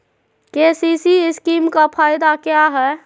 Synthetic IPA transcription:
kesisiɪskimkapʰajd̪akjaɦɛ

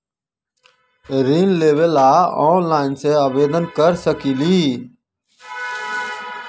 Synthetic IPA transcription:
ɾiːnleːʋəlaːɔːnlaːɪnseːaːʋeːd̪ənkəɾsəkiːliː

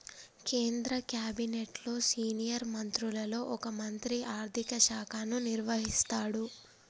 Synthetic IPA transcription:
keːnd̪ɾɐkjaːbineʈlo̞ːsiːnijɐɾmɐnt̪ɾulɐlo̞ːʔɔkɐmɐnt̪ɾiʔaːɾt̪ʰikɐʃaːkʰaːnuniɾʋɐɦist̪aːɽu

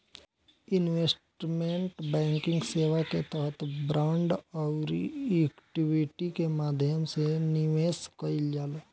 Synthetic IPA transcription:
ɪnʋeːsʈmẽɳʈbɛ̃ːŋkɪ̃ŋɡseːʋaket̪əɦət̪bɾaʊɳɖɔʊɾeːkʈiwɪʈikemaːd̪ʱjəmseniʋeːskəild͡ʒaːlo

